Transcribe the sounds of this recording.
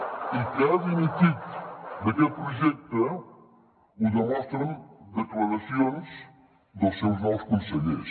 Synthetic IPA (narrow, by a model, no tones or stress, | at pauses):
ikazinit̪it̪d̪əkɛlpɾuʒɛk̚t̪ə | uðəmɔst̪ɾənd̪əklələsionz | d̪əlˠsːewznɔwˠskunsəʎḛs